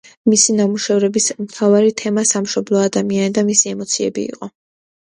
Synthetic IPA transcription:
misinamuʃɛvɾɛbismt̪ʰavaɾit̪ʰɛmasamʃɔblˠɔad̪amianid̪amisiɛmɔt̪sʰiɛbḭːqʼɔ

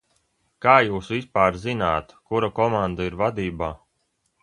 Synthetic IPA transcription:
kaːjuːsvispaːɾzinaːt̪kuɾakɔmand̪aiɾvad̪iːbaː

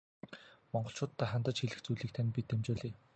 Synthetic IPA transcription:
mɔɴɢɞ̆ɬt͡ɕʰʊːt̪ʰːæːχant̪ə̆t͡ɕxiɮɘ̆xt͡sujɮiːk̚t̪ʰænʲpʲit̪ʰːemt͡ɕʊːɮiː

